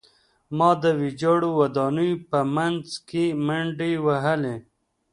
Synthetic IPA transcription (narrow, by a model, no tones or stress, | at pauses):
mɑd̪əwid͡ʒɑɽowad̪ɑnujpəmanzkemaɳɖiwaɦəle